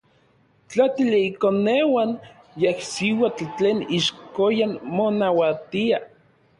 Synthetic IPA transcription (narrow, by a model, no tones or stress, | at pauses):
t͡ɬat̪iliikonewan | jehsiwat͡ɬt͡ɬeːniʃkojanmonawat̪ia